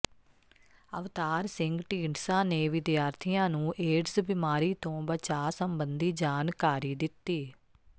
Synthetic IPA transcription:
əʋt̪aːɾsɪ̃ŋɡʈiːɳsãːneːʋɪd̪jaːɾt̪ʰɪjãːnũːʔeːɖsbɪmaːɾiːt̪õːbət͡ʃaːsəmbənd̪iːd͡ʒaːnkaːɾiːd̪ɪt̪ːiː

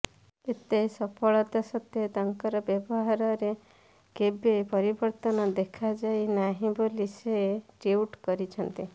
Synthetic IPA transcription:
et̪esɔpʰɔɭɔt̪asɔt̪jɔt̪aŋkɔɾɔbjɔbɔɦaɾɔɾe | kebepɔɾibɔɾt̪ɔnɔd̪ekʰad͡ʒajnaɦĩboliseeʈiuʈkɔɾit͡ʃʰɔnt̪i

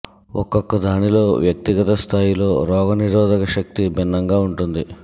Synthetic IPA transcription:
ɔ̰kːɔkːɐd̪ʱaːnilo̞ːʋjɐk̚t̪iɡɐt̪ɐst̪ʰaːjilo̞ːɾɔːɡɐniɾɔːd̪ɐkɐʃɐk̚t̪ibinːɐŋɡaːuɳʈund̪i

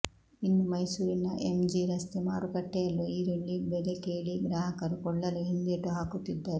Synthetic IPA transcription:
inːumɐjsuːɾinɐʔemd͡ʒiɾɐst̪emaːɾukɐʈːɛjɐlːoiːɾiɳɖibɛd̪ekeːɭiɡɾaːɦɐkɐɾukɔɭːɐluɦind̪eʈːuɦaːkut̪id̪ːaːɾu

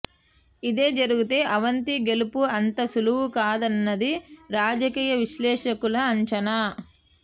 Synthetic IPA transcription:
id̪e̞ːd͡ʒɐɾuɡut̪e̞ːʔɐʋɐnt̪iɡe̞lupuɐnt̪ɐsuluwukaːd̪ɐnːɐd̪iɾaːd͡ʒɐkiːjɐʋiʃlɛːʂɐkulɐːɲt͡ʃɐna

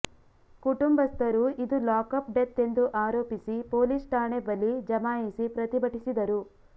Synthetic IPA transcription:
kuʈumbɐst̪ɐɾuid̪ulaːkɐpɖet̪ːe̞nd̪uʔaːɾoːpisipoːlisʈaːɳebɐlːid͡ʒɐmaːjisipɾɐt̪ibɐʈisid̪ɐɾu

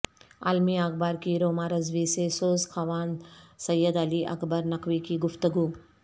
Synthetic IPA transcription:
a̰lmiaːɡbaːɾkiɾoːmaːɾɐzʋiːsesoːzkʰɐʋaːnsɐjːəd̪ɐliʔɐ̰kʰbəɾnɐkʋiːkiːɡʊft̪ɐɡuː

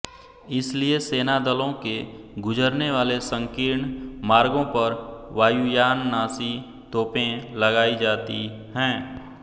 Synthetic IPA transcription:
ɪslieseːnad̪əlõke | ɡʊd͡ʒəɾneʋaːlesə̃ŋkɪɾɳmaːɾɡõpɐɾʋaːjujaːnːaːsi | t̪oːpẽlɐɡaːid͡ʒaːt̪i | ɦɛ̃ː

